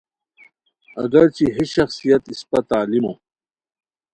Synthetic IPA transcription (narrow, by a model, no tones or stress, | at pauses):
ɐ̰ɡɐɾt͡ɕiɦiɕɐxsijɐt̪ispɐt̪aːlimõː